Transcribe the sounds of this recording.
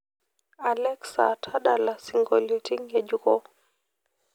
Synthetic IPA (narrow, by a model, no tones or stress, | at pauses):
alɛksa̰tʰaɗalasiŋɡɔlutiŋjɛd͡ʒukɔ